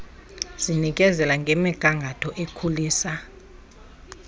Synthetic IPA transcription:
z̥inik̬ʼɛzɛlaŋɡʱɛmɛɡ̥ʱaŋɡʱatʰɔʔekʰuliːsa

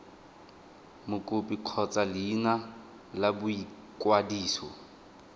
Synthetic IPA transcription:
mʊkʼʊpʼiq͡χʰɔt͡sʼalɪːna | labʊi | kʼwadiːsɔ̰

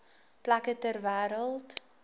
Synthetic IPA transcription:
plakətærvæːɾəlˠt

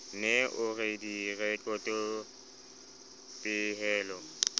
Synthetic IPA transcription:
nɛʔʊredirɛkʼɔtʼɔ | pʼɪɦɛːlɔ

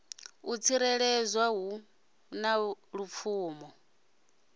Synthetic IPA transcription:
ut͡sʰiɾɛɺɛzwaɦu | naɺup̪fʰuːmɔ

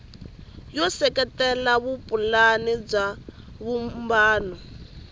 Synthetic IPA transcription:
jɔsɛkɛtɛlaβupʼulanib͡ʐaβumbaːnɔ

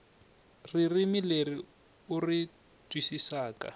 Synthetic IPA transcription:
ririmɪleri | ʊri | tʼwisisaːka̰

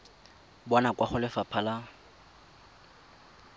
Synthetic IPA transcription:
bɔnakwaχʊlɪfapʰala

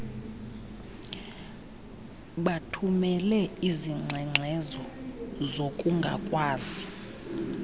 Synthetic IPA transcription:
ɓatʰumɛlɛiziŋ͡ǀʱɛŋ͡ǀʱɛzɔzokʼuŋɡʱa̰kʼwaːzi

